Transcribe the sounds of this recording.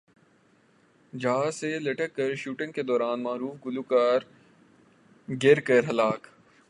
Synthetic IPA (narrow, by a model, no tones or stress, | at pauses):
d͡ʒaːselɐʈəkːɐɾʃuːʈɪ̃ŋɡked̪ɔːɾaːnmaːɾuːfɡʊlukaːɾ | ɡɪɾkɐɾɦɐlaːk